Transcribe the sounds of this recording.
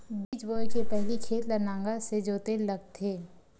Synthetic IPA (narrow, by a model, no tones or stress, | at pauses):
biːt͡ʃboːjkepɛɦlikʰeːt̪lənãːŋɡased͡ʒoːt̪elɐɡ̚t̪ʰːeː